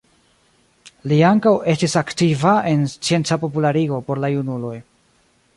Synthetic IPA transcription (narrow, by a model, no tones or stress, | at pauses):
liaŋkawe̞stisaktivae̞nst͡sie̞nt͡sapo̞pulaɾiɡo̞po̞ɾlajunulo̞j